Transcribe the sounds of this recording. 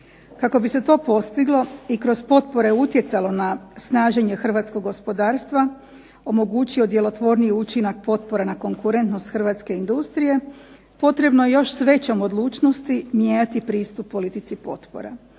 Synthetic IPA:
kako̞bise̞t̪o̞ːpo̞st̪iɡlˠo̞ikɾo̞zpo̞t̪po̞ɾe̞ut̪je̞t̪salo̞nasnaːʒe̞ɲexr̩ʋaːt̪sko̞ɡːo̞spo̞d̪aːɾst̪ʋa | o̞mo̞ɡuːt͡ɕio̞d̪je̞lo̞t̪ʋo̞ɾniiut͡ɕinak̚po̞t̪̚po̞ɾanako̞ŋkuɾe̞nt̪no̞st̪xr̩ʋat̪ske̞ind̪ust̪ɾije̞ | po̞t̪ɾe̞bnoje̞jo̞ʃsʋe̞t͡ɕo̞mod̪lˠuːt͡ʃno̞st̪imjeɲat̪ipɾiːst̪upːo̞lit̪it̪sipo̞̰t̪po̰ɾa̰

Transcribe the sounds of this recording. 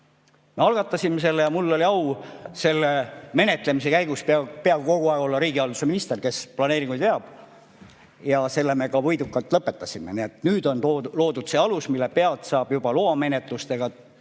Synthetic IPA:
me̞ɑlɡ̥ɑt̪ːˑɑsʲimːese̞lːejɑmulːo̞lʲiɑwse̞lːeme̞ne̞t̪le̞mis̬e̞kæjɡ̥usppeɑbko̞ɡ̥uɑˑeɡ̥o̞lːɑɾiːɡiɑlːuseminist̪erke̞splɑneːɾiŋɡ̥ujd̪eɑb̥ | jɑse̞lːeme̞kɑvɤjd̪ukˑːɑlt̪ːˑlɤpːˑe̞t̪ːˑɑsʲime̞̰nie̞t̪nyːd̪o̞nt̪olo̞ːd̪ud̪̥seːɑlusmilːepe̞ɑlt̪sɑːb̥jub̥ɑloɑme̞net̪ˑlust̪e̞ɡ̥ɑ

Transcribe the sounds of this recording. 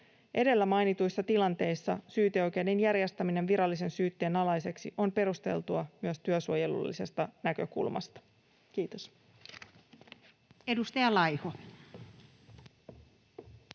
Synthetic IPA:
ʔe̞de̞lːæmɑjnit̪ujsːɑt̪ilɑnt̪e̞jsːɑsyːt̪eo̞jk̟e̞jde̞njæɾjest̪æmine̞nʋiɾɑlːise̞nsyːt̪ːe̞ːnɑlɑjse̞ksiʔo̞mpe̞ɾust̪e̞̰lt̪uɑmyøst̪yøsuoje̞lṵlːise̞st̪ɑnækø̞̰kṵlmɑ̰st̪ɑ̥ | k̟iːt̪os | edust̪ɑjɑlɑjho

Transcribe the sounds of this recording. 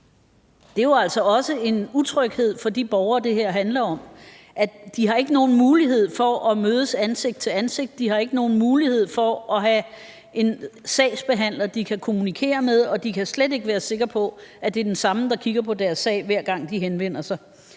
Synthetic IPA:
d̥e̝joæl̰sɒ̽ɒ̽səe̝nut͡sʰʁœɡ̥he̝ð̞̰ˠfɒ̽d̥ib̥ɒʊɐːd̥e̝ɦeɐ̰ɦænlɐɒ̽m | ʔæd̥iɦɑ̈e̝ɡ̥əno̝ːn̩muːliɦe̝ð̞̰ˠfɒ̽ʔɒ̽møːðˠəsænse̝ɡ̥̚d̥̚t͡sʰe̝lænse̝ɡ̥̚d̥ːiɦɑ̈e̝ɡ̥əno̝ːn̩muːlihe̝ð̞̰ˠfɒ̽ɒ̽ɦæ | e̝nsɛɪsb̥e̝ɦæn̰lɐd̥ikʰækʰo̝munikʰe̝̰ːɐmeð̞ˠɒ̽d̥ikʰæslede̝ɡ̥əʋæːɐse̝ɡ̥ɐpʰɒ̽æd̥e̝ɐd̥ensɑ̈məd̥ɑ̈kʰiɡ̥ɐpʰɒ̽d̥æɐsːɛ̰ɪ̰ʋæɐ̰ɡ̥ɑ̈ŋ̰d̥iɦenʋen̰ɐsɑ̈ɪ

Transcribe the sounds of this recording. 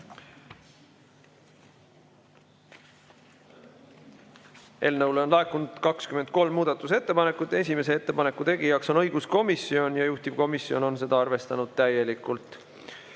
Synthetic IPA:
e̞ːlnəwleo̞nlɑekːˑunud̪̥kɑkskyme̞nd̪̚ko̞lmːuːd̪̥ɑt̪ːˑuse̞t̪ːe̞pɑne̞kːˑut̪ːˑe̞s̬ʲime̞se̞et̪ːe̞pɑne̞kːut̪e̞ɡ̥ijɑkso̞nɤ̞jɡ̥usko̞misːio̞njɑjuht̪iv̥ko̞misːio̞̰no̞nse̞d̪ɑɑrve̞st̪ɑnud̪̥̚t̪æjːe̞likːˑult̪ˑ

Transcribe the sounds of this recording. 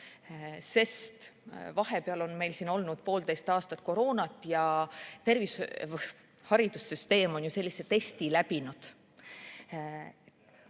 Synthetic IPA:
se̞st̪vɑɦe̞peɑlo̞nme̞jlsiːno̞lnud̪̥̚po̞ːld̪e̞jst̪ɑːst̪ɑt̪̚ˑko̞ɾo̞ːnɑt̪ːˑjɑt̪e̞rvisv | hɑɾid̪̥usːyst̪e̞ːmo̞njuse̞lʲːise̞t̪e̞st̪ilæb̥inud̪̥

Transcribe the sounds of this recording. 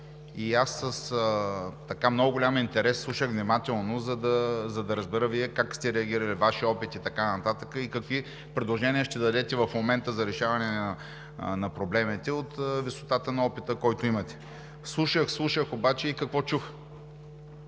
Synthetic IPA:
iasːəsət̪ɐkamnɔɡʊɡolʲamint̪ɛɾɛsːlˠuʃəɣvnimat̪ɛlˠnozɐd̪ɐzɐd̪ɐɾəzbɛɾəviɛkakst̪ɛɾɛɐɡ̟iɾəlivaʃiɔpit̪it̪ɐkanɐt̪at̪əkəikɐkvi | pɾɛd̪lˠoʒɛniəʃt̪ɛd̪ɐd̪ɛt̪ɛvɐfmomɛnt̪əzɐɾɛʃavɐnɛnɐ | nɐpɾoblɛmit̪ɛot̪viso̥t̪at̪ənɐɔpit̪əkɔjt̪oimɐt̪ɛ̥ | slˠuʃəxslˠuʃəxobat͡ʃɛikɐkvɔt͡ʃux

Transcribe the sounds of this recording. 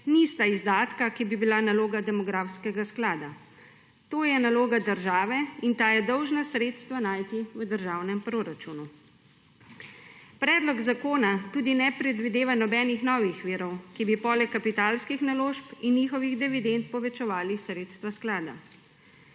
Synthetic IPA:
nist̪aizd̪aːt̪kakibibilanaloːɡad̪ɛmɔɡɾafskɛɡasklaːd̪a | t̪oːjɛnaloːɡad̪əɾʒaːʋɛint̪ajɛd̪ɔwʒnasɾeːt̪st̪ʋanaːjt̪iʋəd̪əɾʒaːwnɛmpɾoːɾat͡ʃunu | pɾɛːd̪lɔɡzakoːnat̪uːd̪inɛpɾɛd̪ʋid̪eːʋanɔbɛːnixnɔːʋixʋiːɾɔwkibipɔːlɛkːapit̪aːlskixnaloːʃpinjiːxɔʋiɣd̪ɛʋid̪ent̪̚pɔʋɛt͡ʃɛʋaːlisɾeːt̪st̪ʋasklaːd̪a̰

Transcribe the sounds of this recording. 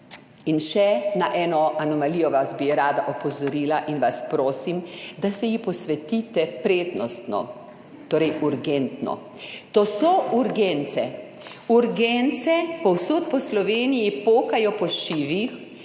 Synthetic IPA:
inʃɛnaʔɛːnɔanɔmaliːjɔʋazbiɛɾaːd̪aʔɔpɔzɔɾiːlaʔinʋaspɾoːsimd̪asɛjipɔsʋɛt̪iːt̪ɛpɾeːd̪nɔst̪nɔ̰ | t̪oːɾɛjuɾɡɛnt̪nɔ̰ | t̪oːsɔuɾɡɛnt̪sɛ | uɾɡɛnt̪sɛpɔwsoːt̪̚pɔslɔʋeːnijipoːkajɔpɔʃiːʋix

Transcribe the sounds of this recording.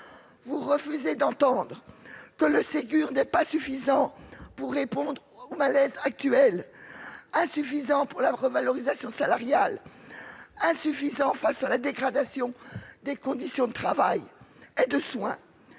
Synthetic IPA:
vuʁəfyzed̪ɑ̃t̪ɑ̃d̪ʁəkələseɡʲyʁnɛpasyfizɑ̃puʁːepɔ̃d̪ʁomalɛzak̚t̪yɛl | ɛ̃syfizɑ̃puʁlaʁəvalɔʁizasjɔ̃salaʁjal | ɛ̃syfizɑ̃fasalad̪eɡʁad̪asjɔ̃d̪ekɔ̃d̪isjɔ̃d̪ət̪χavajed̪əswɛ̃

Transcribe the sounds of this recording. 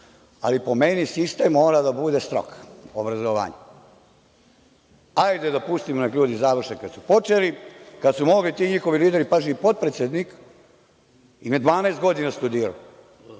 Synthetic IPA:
a̰lipo̞menisist̪emːo̞ːɾad̪abud̪est̪ɾo̰kobɾazoʋa̰ːɲe | ajd̪ed̪apust̪imonekʎuːd̪izaʋr̩ʃekad̪supo̞t͡ʂelikad̪sumo̞ɡlit̪iːɲixo̞ʋiliːd̪eɾipaʒiipo̞t̪̚pɾet̪sʲed̪nik | imed̪ʋaːnɛst̪̚ɡo̞d̪inast̪ud̪iːɾa̰o

